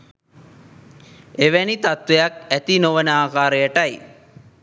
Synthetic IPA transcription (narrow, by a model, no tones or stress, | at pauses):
eʋænit̪at̪ʋejak̚æt̪inoʋənəaːkaːɾəjəʈaj